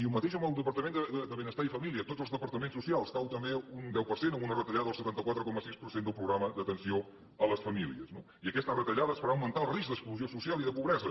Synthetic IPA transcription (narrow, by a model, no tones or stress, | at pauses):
iumət̪eʃəməlˠd̪əpəɾt̪əmẽnd̪əd̪əd̪əβenəst̪aifəmilˠiət̪otd͡zzəlˠzðəpəɾt̪əmẽnsusialˠsk̪awt̪əmbeund̪ɛwpəɾsenəunərət̪əʎaðəlˠsət̪ant̪əkwat̪ɾəkɔməsispəɾsend̪əlˠpɾuɣɾaməd̪ət̪ənsio | ələsfəmiliəzno | iəkɛst̪ərət̪əʎaðəsfəɾaəwmənt̪aəlˠrizd̪əkspluziosusialiðəpuβɾɛzə